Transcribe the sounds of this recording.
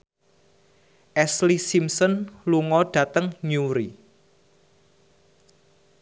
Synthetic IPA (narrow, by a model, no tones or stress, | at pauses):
ʔɛslisimsɔnluŋɔɖ̥ä̤t̪əŋɲuɾi